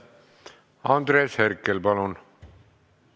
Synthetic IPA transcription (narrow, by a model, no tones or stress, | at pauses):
ɑnd̪ɾeːsheɾkːelpɑlun